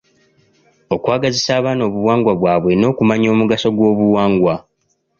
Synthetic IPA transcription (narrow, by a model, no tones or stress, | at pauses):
o̞kwaːɡazisaːβaːno̞ːβuwaːŋɡwaβwaːβwe̞no̞ːkumaɲo̞ːmuɡaso̞ɡwo̞ːβuwaːŋɡwa